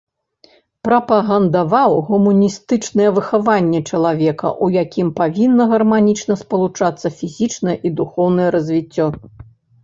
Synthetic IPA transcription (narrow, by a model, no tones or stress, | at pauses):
pɾɐpɐɣɐnd̪avawɣumunʲist̪ɨt͡ʂnɨjɛvɨxavanʲːɛt͡ʂɐlˠavʲɛkɐ̰ʔujakʲimpavʲinːɐɣɐrmanʲit͡ʂnɐspɐlˠut͡ʂat̪sːɐfʲizʲit͡ʂnɐjɛʔid̪uxɔwn̪ɐjɛɾɐzʲvʲit͡sʲːɔ